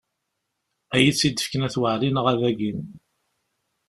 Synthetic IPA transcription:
æjit͡sːid̪ə̥fkənæθwəʕɾinəʁæðæɡin

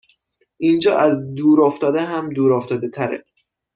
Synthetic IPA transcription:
ʔiːnd͡ʒɒːʔæzd̪uːɾɒːft̪ɒːd̪eɦæmd̪uːɾɒft̪ɒːd̪et̪ʰæɾḛ

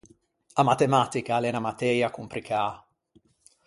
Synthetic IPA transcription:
amat̪emat̪ikalɛnamat̪ɛɾjakumpɾikʰaː

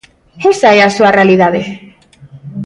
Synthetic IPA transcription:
esaeasuarealiðaðe

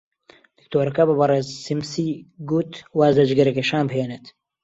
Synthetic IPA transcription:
d̪̥ɨk̚t̪ʰoːɾɐkɐbɨbɐreːzsimsiɡut̪waːzɐd͡ʒɡɐɾɐkeʃaːnbɦeːnet̪

